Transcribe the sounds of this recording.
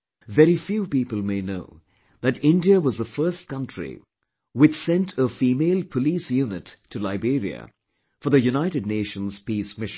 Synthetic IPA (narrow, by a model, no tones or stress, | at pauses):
vɛɾifjupipəl̩ˠmeɪnoʊ | ðɨɾɪ̃ndiəwʌzðəfɜ˞st̚kʌ̃ntɹ̥ḭ | wɨt͡ʃsɛ̃ntʰəfiːmeɪlˠpʰəlisjunɨtʰːɨlaɪbiɾḭə̰ | fə˞ðɨjunaɪɾɨdⁿneɪʃə̃nz̥piːsmɪʃ